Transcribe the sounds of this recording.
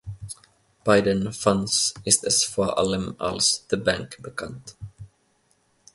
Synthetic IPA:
b̥aɪdənfãnsɪstəsfɔʔa̰ləma̰lsðəbæ̃ŋkbəkʰãnt̪

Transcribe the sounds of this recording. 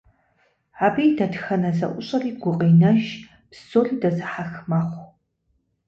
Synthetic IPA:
aːbiːdɐtxɐnɐzɐ̰ʔʷʊɕʼɐriːɡʷʊqʼiːnɐʃ | psoːriːdɐzɨħaxmaχʷ

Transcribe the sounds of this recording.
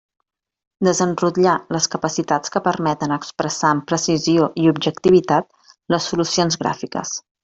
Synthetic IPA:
d̪əzənrut̪ʎaləskəpəsit̪at͡skəpəɾmɛt̪ənəkspɾəsaəmpɾəsizioʔiubʒəkt̪iβit̪at̪̚ | ləsːulusionzɣɾa̰fikə̰s

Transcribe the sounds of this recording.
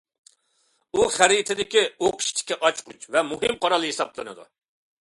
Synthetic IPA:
uχæɾit̪ʰɪd̪ɪkʲioqʰɨ̥ʃt̪ʰɪ̥kʲːɛʔɑt͡ʃqʰʊt͡ʃvɛmuɦɨmqʰɑɾɑlˠɨɦesɑblˠɨnɨ̰d̪ṵ

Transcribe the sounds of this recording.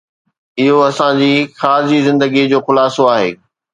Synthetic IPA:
ɪɦoɐsãd͡ʑiːxaːɾzizɪ̃nd̪əɡid͡ʑoːxʊlaːsoaːɦḛː

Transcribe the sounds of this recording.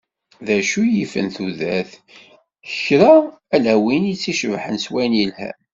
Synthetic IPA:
ðæʃujifə̰nθuðæθ | əçɾaælæwinit͡sːiʃəvħənswænjəlhæ̰

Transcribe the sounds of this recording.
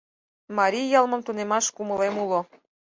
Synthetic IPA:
mɑɾʲijɑlˠmə̆mt̪unemɑʃkumə̆lemulo

